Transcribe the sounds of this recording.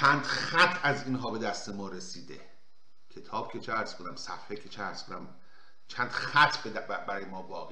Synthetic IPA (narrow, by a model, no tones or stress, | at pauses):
t͡ʃʰæːnd̪̥xæt̪ʰæziːnɦɒːbe̞d̪æst̪emɒːɾesiːd̪e | kʰet̪ʰɒːb̥cʰet͡ʃʰeæɾskʰonæmsæfhekʰet͡ʃʰeæɾskʰonæm | t͡ʃʰæːnd̪̥xæt̪ʰb̪bæɾɒːjemɒːvɒːɣe